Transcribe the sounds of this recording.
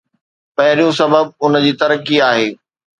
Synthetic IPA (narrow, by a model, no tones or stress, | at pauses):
pɐɦɪɾijũsɐbəb̚ʊnd͡ʑiːt̪ɐɾəkiaːɦeː